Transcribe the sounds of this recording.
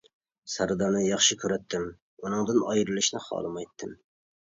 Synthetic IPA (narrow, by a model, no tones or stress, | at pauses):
sæɾd̪ɑnɪjɑχʃɪkʲʰøɾæt̪ʰːɪm | unɨŋd̪ɨnɑjɾɨlˠɪʃnɪχɑ̰d̪ˠɨmɑjt̪ʰːɪm